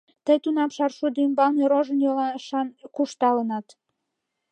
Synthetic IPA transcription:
t̪əjt̪unɑmʃɑrʃud̪ymbɑlneɾoʒənjolɑʃɑnkuʃt̪ɑlənɑt̪

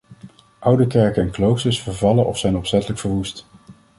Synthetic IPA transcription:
ʔʌwdəkɛɹkənɛnklowsəsfəɹvɑlənʔɔ̰fsɛjnɔpsɛtələkfəɹʋust

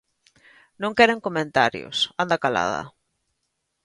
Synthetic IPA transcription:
nõŋkɛɾeŋkomẽnt̪aɾjʊ̰sand̪akala̰ðɐ̰

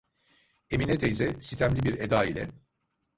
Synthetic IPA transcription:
eminɛt̪ʰejzɛsit̪ʰæmlʲibiɾed̪aːilʲɛ

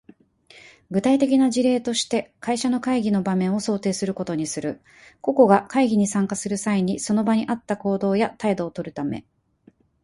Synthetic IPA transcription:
ɡɯ̟t̪ait̪e̞k̬ʲinaʑiɾe̞ːt̪o̞ɕi̥t̪e̞kʰaiɕano̞kaiɡʲino̞bamẽ̞o̞so̞ːt̪e̞ːsɨɾɯ̟ko̞t̪o̞ɲ̟isɨɾɯ̟ | ko̞ko̞ɡakaiɡʲiɲ̟isãŋkasɨɾɯ̟saiɲ̟iso̞no̞baɲ̟iʔat̪ːako̞ːd̪o̞ːjat̪aid̪o̞ːt̪o̞ɾɯ̟t̪ame̞̰

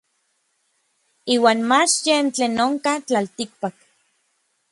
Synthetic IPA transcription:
iːwaːnmat͡ʃjent͡ɬeːnoŋkat͡ɬalt̪ik̚pak

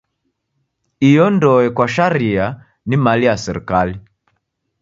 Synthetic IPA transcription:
ijɔndɔɛkwaʃaɾia | nimaliasɛɾḭkali

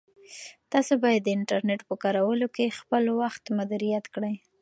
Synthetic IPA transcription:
t̪ɑsobɑjad̪ːəɪɳʈaɾneʈpəkɑɾawəlokexpəlwaxt̪mad̪uɾijat̪kɽəj

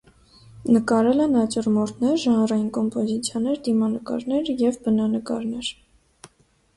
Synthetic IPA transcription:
nəkɑɾɛlɛnɑt͡ʃurmɔɾt̪ʰnɛɾʒɑnrɑjinkɔmpɔzit͡sʰjɑnɛɾd̪imɑnəkɑ̰ɾnɛɾjɛvbənɑnəkɑ̰ɾnɛɾ

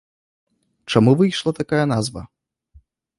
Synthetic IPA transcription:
t͡ʂamuvɨjʂlˠɐt̪akajɐnazvɐ̰

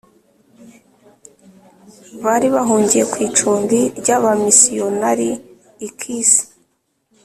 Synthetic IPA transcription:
βaːɾiβaɦuːɲɟijekwiːt͡ʃuːmbiɾɟaβamisijonaɾiː | kʰiːsi̥

